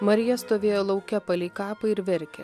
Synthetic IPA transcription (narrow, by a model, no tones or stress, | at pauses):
mɐɾʲɪjɛst̪oːʋʲeːjoːlˠɒʊkʲɛpɐlʲiːkɑːpɐɪɾʋʲɪɾʲkʲɛ̰